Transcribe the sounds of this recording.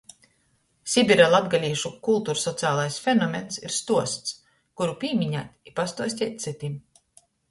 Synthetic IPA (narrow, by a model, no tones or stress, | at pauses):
sʲibʲiɾalˠad̪ɡalʲiːʃukulˠt̪uːɾsɔt̪sɨaːlˠajsfʲenɔmʲensḭɾst̪uɔst̪s | kuɾupʲiːmiɲa̰ːt̪ʲipast̪uɔsʲt̪ʲɛt̪̚ʲt̪sit̪im